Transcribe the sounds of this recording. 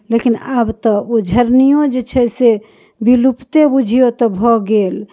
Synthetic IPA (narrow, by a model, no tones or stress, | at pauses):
lekinabt̪ɔod͡ʒʱəɾnijod͡ʒet͡ʃʰɛse | bilupt̪ebud͡ʒʱijot̪ɔbʱɔɡel